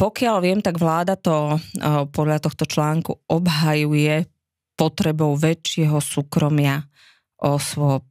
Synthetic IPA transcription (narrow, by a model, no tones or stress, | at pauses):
pɔkɪalʋɪɛmt̪aɡʋlaːd̪at̪ɔ | pɔd̪ʎat̪ɔxt̪ɔt͡ʃlaːŋkṵʔɔbɦajujɛ | pɔt̪ɾɛbɔʊʋɛt͡ʃːɪɛɦɔsuːkɾɔmɪa | ʔɔsʋɔp̚